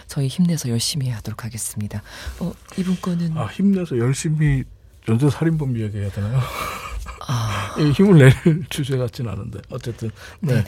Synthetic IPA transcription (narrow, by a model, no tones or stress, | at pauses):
t͡ɕʌiçimne̞sʰʌjʌɭɕ͈imieaɦad̥oɾokʰaɡe̞s͈ɯmɲidaʌibunk͈ʌnɯnaçimne̞sʰʌjʌɭɕ͈imi | t͡ɕʌnsʰesʰaɾinbʌmiaɡiɦejadʌnajo | aiçimɯɭːeɾɯɭt͡ɕud͡ʑʰeɡat͡ɕ͈ina̰nɯnde̞̰ʌt͡ɕ͈e̞t͈ɯn | ne